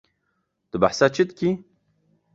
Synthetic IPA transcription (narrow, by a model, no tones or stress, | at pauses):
d̪̥əba̰ħsat͡ʃʰit̪kʲi